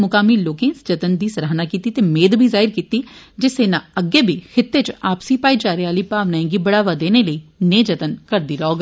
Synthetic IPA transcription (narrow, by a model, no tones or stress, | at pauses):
mʊkaːmiːloːkẽːsd͡ʒət̪ənd̪iːsəɾaːɦnaːkiːt̪iːt̪eːmeːd̪bʱiːzaːɪɾkiːt̪iːd͡ʒɪseːnãːəɡeːbʱiːkʰɪt̪ːeːt͡ʃaːpsiːpaːid͡ʒaːɾeaːliːpaːʋnaːẽːɡiːbəɽaːʋaːd̪eːneːləiːnẽːd͡ʒət̪ənkəɾd̪iːɾəoːɡ